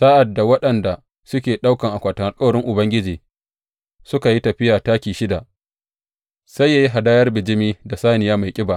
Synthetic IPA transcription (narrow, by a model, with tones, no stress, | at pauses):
saː˦ʔa˨dːa˨wɐ˦ɗɐ˨nda˨ | sʊ˦kʲeː˨ɗa˦wkɐ˨ŋʔa˨kʷaː˨tɐ˨ŋa˨kʼa˦˨ɽɪ˦ŋʔʊ˨bɐ˦ŋɡʲɪ˦d͡ʒiː˨ | sʊ˦ka˨ji˦tɐ˨ɸɪ˦jaː˨taː˦kʲiː˨ʃɪ˦da˨ʔ | sa˦jːaː˨ji˦ɦa˨daː˦jɐ˦rbɪ˨d͡ʒɪ˦miː˦da˨saː˦nɪ˨jaː˦ma˨jkʲʼɪ˦ba˨